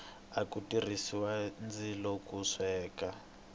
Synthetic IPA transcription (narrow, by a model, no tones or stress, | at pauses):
akutir̤isiwand͡zilɔkuʂɛːka